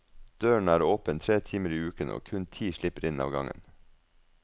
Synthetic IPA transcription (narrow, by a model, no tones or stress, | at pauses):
d̪̥øːəɳ̩æːɾoːpənt̪ʰɾeːt̪ʰiːməɾiːʉːkəno̰ːkʰʉnt̪ʰiːʃɭɪpəɾɪnɑ̰ːʋɡɑŋə̰n